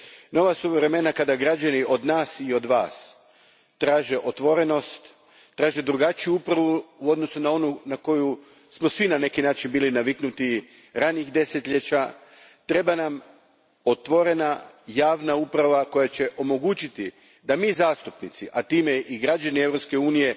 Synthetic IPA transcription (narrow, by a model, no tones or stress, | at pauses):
no̞ʋasuʋɾe̞me̞nakad̪aɡɾad͡ʑaniʔo̞d̪naːsio̞d̪ʋa̰ːs | t̪ɾaːʒe̞ʔo̞t̪ʋo̞ɾe̞no̞st̪ː | ɾaːʒe̞d̪ɾuɡat͡ʃijuupɾaʋuuo̞d̪no̞sunao̞nunako̞ju | smo̞sʋinane̞kinaːt͡ʃinbiːlinaʋiknut̪i | ɾaniɣd̪e̞se̞t̪ʎe̞t͡ɕa | t̪ɾe̞banam | o̞t̪ʋo̞ɾe̞na | jaːʋnaupɾaʋako̞jat͡ɕe̞ʔo̞mo̞ɡuːt͡ʃit̪i | d̪amiːzaːst̪upnit̪siʔat̪iːme̞ʔiɡɾad͡ʒanievɾo̞pske̞uːnije̞